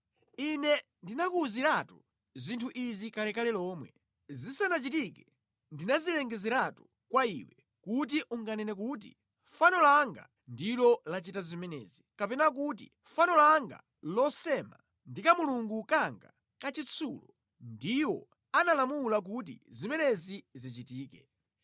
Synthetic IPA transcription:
inɛ | ndinakuːziɾatu | zintʰuʔizikalɛkalɛlɔːmwɛ | zisanat͡ʃitikɛ | ndinazilɛŋɡɛzɛɾatu̥ | kwaḭwɛ | kut̬iʔuŋɡanɛnɛk̬ut̬ḭ | fanɔlaŋɡa̰ | ndilɔlat͡ʃitazimɛnɛ̰zikapɛnak̬ut̬ḭ | fanɔlaŋɡa̰ | lɔsɛma̰ | ndikamuluŋɡukaŋɡa̰ | kat͡ʃit͡sʰulɔ | ndiwɔ̰ | analamulak̬ut̬ḭzimɛnɛzizit͡ʃitiːkɛ̰

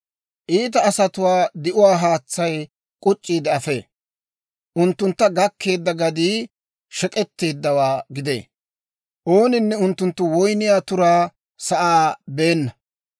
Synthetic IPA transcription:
ʔiːt̪̬ɐːsɐt̪ʊwaːd̪ɪʔʊwaːɦaːt͡sːɐj | kʼʊt͡ʃʼːiːd̪ɛɐfe̞̰ː | ʔʊnt̪ːʊnt̪ːɐɡɐkʰːe̞ːd̪ːɐɡɐd̪iː | ʃɛkʼɛt̪ːe̞ːd̪ːɐwaːɡɪd̪ḛː | ʔo̞ːnɪnːɛʊnt̪ːʊnt̪ːʊwɔjnɪjaːt̪ʊɾaː | sɐʔaːbe̞ːnːɐ

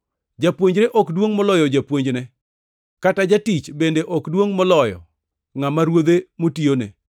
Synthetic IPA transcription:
d͡ʒapwoɲd͡ʒɾeʔɔkdwoŋmɔlɔjɔd͡ʒapwoɲd͡ʒnɛ | katad͡ʒatit͡ʃbendeʔɔkdwoŋmɔlɔjɔ̰ | ŋamaɾwod̪emotionḛ

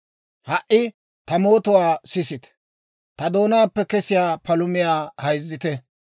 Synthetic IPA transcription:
hɐʔɪ | t̪ɐmo̞ːt̪ɔwaːsɪsɪt̪ɛ̥ | t̪ɐd̪o̞ːnaːpːɛkɛsɪjaːpɐlʊmɪjaːhɐjzːɪt̪ɛ

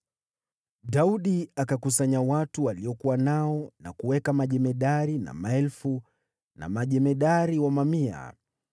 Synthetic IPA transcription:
ɗauɗiakakusaɲawatuwaliɔkuwanaɔnakuwɛkamaʄɛmɛɗaɾina̰maɛlfu | na̰maʄɛmɛɗaɾiwamamia̰

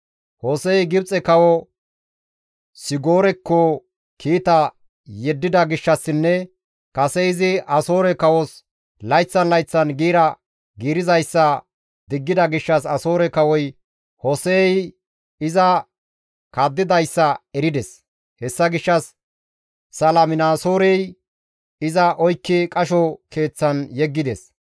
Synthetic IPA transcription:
hosɛjɡɪbt͡sʼɛkɐwɔ | sɪɡoːɾɛkːɔ | kʰiːt̪ɐ | jɛd̪ːɪd̪ɐɡɪʃːɐsːɪnːɛ | kɐsɛɪzɪɐso̞ːɾɛkɐwɔs | lɐjt͡sːɐnlɐjt͡sːɐnɡiːɾɐ | ɡiːɾɪzɐjsːɐ | d̪ɪɡːɪd̪ɐɡɪʃːɐsɐso̞ːɾɛkɐwɔj | hɔsej | ɪzɐ | kaːd̪ːɪd̪ɐjsːɐɛɾɪd̪ɛs | hɛsːɐɡɪʃːɐsː | ɐlɐmɪnaːso̞ːɾɛj | ɪzɐʔɔjkːɪkʼɐʃɔke̞ːt͡sːɐnjɛɡːɪd̪ɛs

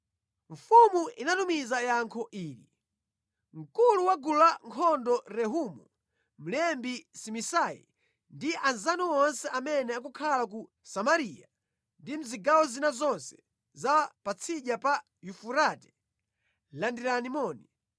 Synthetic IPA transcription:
ɱ̩fumuinatumizajaŋkʰɔʔiːɾi | m̩kuluwaɡulaŋkʰɔndɔɾɛɦumu | m̩lɛmbisimisajḭ | ndiʔanzanuwɔnsɛʔamɛnɛak̬ukʰalak̬u | samaɾia | ndim̩ziɡawɔzinazɔnsɛ̥ | zapat͡sʰiʄapa | jufuɾatɛ̥ | landiɾanimɔːni

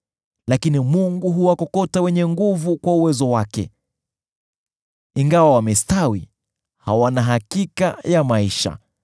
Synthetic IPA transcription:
lakinimuŋɡuɦuwakɔkɔtawɛɲɛŋɡuvukwauwɛzɔwakɛ̰ | iŋɡawawamɛstawi | hawanaɦakikajamaiʃa̰

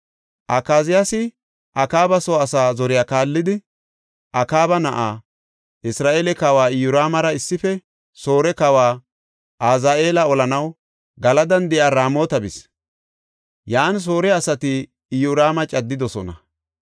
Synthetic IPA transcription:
ʔɐkaːzɪjasɪ | ʔɐkaːbɐsoːɐsaːzɔɾɪjaːkaːlːɪd̪ɪ | ʔɐkaːbɐnɐʔaː | ʔɪsɾaːʔe̞ːlɛkɐwaːɪjʊɾaːmɐɾɐɪsːɪfɛ | so̞ːɾɛkɐwaː | ʔaːzaːʔe̞ːlɐɔlɐnɐw | ɡɐlɐd̪ɐnd̪ɛʔaːɾaːmo̞ːt̪ɐbɪs | jaːns̬o̞ːɾɛɐsɐt̪ɪː | jʊɾaːmɐt͡ʃʼɐd̪ːɪd̪ɔsɔnɐ

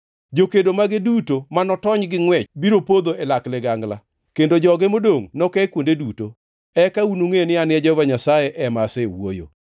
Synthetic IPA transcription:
d͡ʒokedomaɡɪdutomanɔtɔɲɡɪŋwɛt͡ʃbiɾopod̪oelaklɛɡaŋɡla | kendod͡ʒɔɡɪmodoŋnɔkɛkwondeduto | ɛkaunuŋenɪanɪɛd͡ʒɔvaɲasajeʔɛmasewo̰jo̰

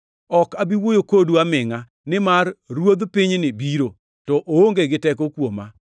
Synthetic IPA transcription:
ɔkabiwojokoduamɪŋa | nɪmarːwod̪pɪɲnɪbiɾo | tɔʔooŋɡeɡɪtɛk̬okwoma

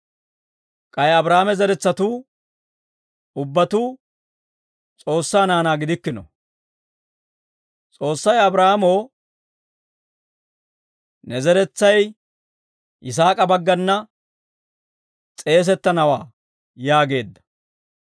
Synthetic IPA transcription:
kʼɐjɐbɾaːmɛzɛɾɛt͡sːɐt̪uː | ʊbːɐt̪uː | t͡sʼo̞ːsːaːnaːnaːɡɪd̪ɪkːɪnɔ̰ | t͡sʼo̞ːsːɐjɐbɾaːmoː | nɛzɛɾɛt͡sːɐj | ʔɪs̬aːkʼɐbɐɡːɐnːɐ | t͡sʼe̞ːs̬ɛt̪ːɐnɐwaː | jaːɡe̞ːd̪ːɐ̥

